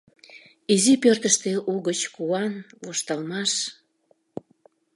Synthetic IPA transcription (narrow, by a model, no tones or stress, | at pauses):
izipørt̪əʃt̪eʔuɣət͡ɕkuɑnvoʃt̪ɑlmɑʃ